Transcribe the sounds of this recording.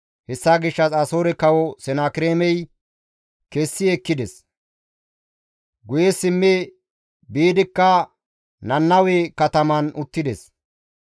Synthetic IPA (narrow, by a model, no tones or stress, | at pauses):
hɛsːaːɡɪʃːɐsɐsoːɾɛkɐwɔsɛnaːkɪɾeːmɛj | keːsːɪɛkːɪd̪ɛs | ɡʊjɛsɪmːe | biːd̪ɪkːɐ | nɐnːɐweːkɐt̪ɐmɐnʊt̪ːɪd̪ɛs